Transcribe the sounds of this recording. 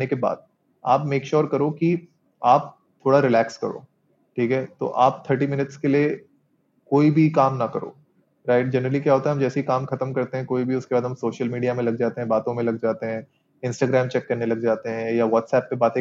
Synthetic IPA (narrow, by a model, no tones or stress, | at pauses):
nekeba̰ːd̪̚ | aːpmeːkʃɔːɾkɐɾoki | aːp̚ | t̪ʰoːɽaɾɪlɛːkskɐ̰ɾo̰ː | ʈʰiːkɦɛːt̪o̰ːʔaːp̚t̪ʰəɾʈimɪnɪʈskelie | koːibʱikaːmnɐkɐɾo̰ː | ɾaɪʈ̚d͡ʒɐnɾəlikjaɦoːt̪aɦɛɦɐmd͡ʒɛːseikaːmxɐt̪əmkɐɾt̪eɦɛ̃koːibʱiʊskebaːd̪ɦɐmsoːʃəlmiːɖiamẽlɐɡ̚d͡ʒaːt̪eɦɛ̃baːt̪õmẽlɐɡd͡ʒaːt̪eɦɛ̃ː | ɪ̃nsʈaːɡɾɛːmt͡ʃɛkːɐɾnelɐɡ̚d͡ʒaːt̪eɦɛ̃jaʋɔːʈsɛːpːebaːt̪ẽ